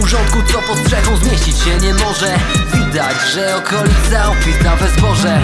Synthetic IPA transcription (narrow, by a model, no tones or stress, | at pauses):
uʐɔnt̪̚kut̪ɔpɔst̪ʂɛɡɔwzmʲjeɕt͡ɕit͡ɕɕɛɲɛmɔʐɛvʲid̪ad͡ʑʐɛɔkʰɔlʲit̪saɔpʲit̪avɛzbɔʐɛ